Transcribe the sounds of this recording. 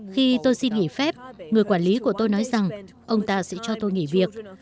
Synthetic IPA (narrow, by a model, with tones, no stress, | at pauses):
xi˧t̪o˧jsi˧nŋi˧˩fɛ˦˥p̚ŋɨ˨˩əjkwaː˧˩nli˨˦ku˧˩ət̪o˧jnɔ˨˦jza˨˩ŋ | ʔə˧wŋ͡mt̪aː˧sɛ̰˧˥t͡ɕɔ˧t̪o˧jŋḭ˧˩vi˨˩ək̚